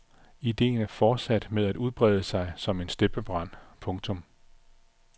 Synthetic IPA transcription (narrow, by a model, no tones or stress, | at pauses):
id̥e̝̰ːnæɐfɒːd̥sæd̥með̞ˠæd̥uð̞ˠb̥ʁɛ̰ːðˠəsɑ̈ɪsɒ̽me̝nsd̥eb̥əb̥ʁɑ̈n̰pʰɔ̽ŋt͡sʰɔ̽m